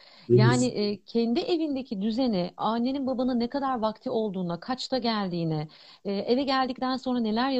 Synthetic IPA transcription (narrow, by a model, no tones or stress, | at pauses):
jaːniʔcʰend̪iʔe̞vind̪e̞cʰid̪yze̞nɛaːnːe̞ninbabanɯnːekʰad̪aɾvakt̪ʰio̞lˠd̪uːnd̪akʰat͡ʃt̪ʰaɟælʲd̪iːnɛː | ʔe̞vɛɟælʲd̪ic̚t̪ʰænso̞nɾane̞lʲæɾja